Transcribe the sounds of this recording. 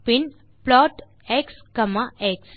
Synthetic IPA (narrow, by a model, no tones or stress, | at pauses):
pin | plɔʈ | ekskəmaeks